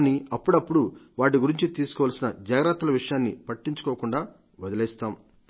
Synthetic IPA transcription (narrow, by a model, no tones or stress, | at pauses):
niɐpːuɽɐpːuɽuʋaːʈ̬iɡuɾiɲt͡ʃit̪iːsu̥kɔʋaːlsinɐd͡ʒaːɡɾat̪ːɐlɐʋiʂɐjaːnːipɐʈːiɲt͡ʃu̥kɔːkuɳɖaː | ʋɐd̪ɐlɛːst̪aːm